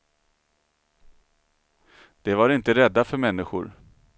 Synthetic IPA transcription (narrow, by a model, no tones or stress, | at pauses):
d̪̥ɛvaɾɪnt̪əɾɛd̪ːafœɾmɛnːɪɧʊ̰ɾ